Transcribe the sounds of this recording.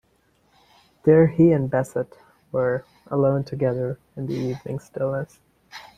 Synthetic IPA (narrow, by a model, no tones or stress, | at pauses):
ðə˞iɨ̃nbɛsɨt | wə˞ | ʔə̰lõʊ̃ntʰɨɡɛðə˞ | ɨ̃nðiivnɪ̰̃ŋstɪlˠnəs